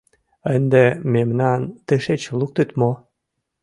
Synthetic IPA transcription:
ənd̪ememnɑnt̪əʃet͡ɕluk̚t̪ət̪mo

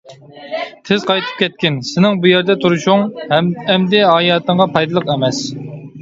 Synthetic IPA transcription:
t̪ʰɪzqʰɑjt̪ʰɨ̥p̚kʲʰɛt̪̚kʲɪnsɪnɪŋbujɛɾd̪ɛt̪ʰuɾuʃuŋɛmd̪ɪɑːjɑːt̪ʰəɴʁɑpʰɑjd̪ɨlˠəqɛmɛs

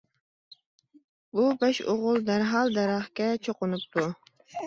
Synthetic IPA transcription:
bubɑʃoʁʊlˠd̪æɾɦɑlˠd̪æɾɑχkʲɛt͡ʃʰoqʊnup̚t̪ʰu

